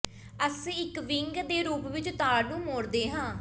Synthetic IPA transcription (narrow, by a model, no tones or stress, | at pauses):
əsiːɪkʋɪŋɡd̪eːɾuːpʋɪt͡ʃt̪aːɽnũːmoːɾd̪eːɦãː